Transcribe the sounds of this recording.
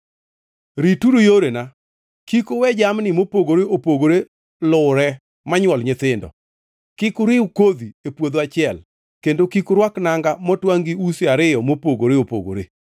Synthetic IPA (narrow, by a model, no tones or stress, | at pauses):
ɾituɾojoɾena | kikowɛd͡ʒamnɪmopoɡoɾeopoɡoɾe | lʊɾɛ | maɲwɔlɲɪt̪ɪndɔ̰ | kɪkʊɾɪukod̪iepwod̪oat͡ʃɪɛl | kendokikʊɾwaknaŋɡamɔtwaŋɡiuseaɾɪjɔmopoɡoɾeopo̰ɡo̰ɾe